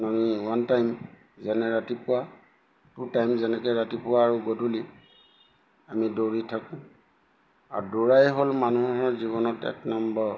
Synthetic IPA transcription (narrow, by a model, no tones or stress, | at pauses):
namiwantajm | zɛnɛɹatipʊwa | tutajmzɛnɛkɛɹatipʊwaːɹuɡɔduli | amidoɹitʰakʊ̃ | a̰ɹuduɹajɦolmanuɦɔɹziβɔnɔtɛ̰tnambɔ